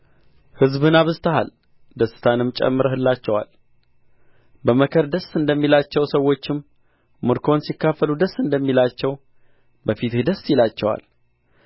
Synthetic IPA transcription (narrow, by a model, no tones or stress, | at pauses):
hɨzbɨnaβɨzt̪ʰəha̰l | d̪əsːɨ̥t̪ʰanɨmt͡ʃʼɛ̰mːɨɾəhɨlːat͡ʃːɛwa̰l | bəməkʰəɾd̪əsːɨnd̪əmːilat͡ʃːɛwsəwo̞t͡ʃːɪm | mɨɾkʰo̞nsikːafːəlud̪əsːɨnd̪əmːilat͡ʃːɛw | bəfit̪hd̪əsːjilat͡ʃːɛwa̰l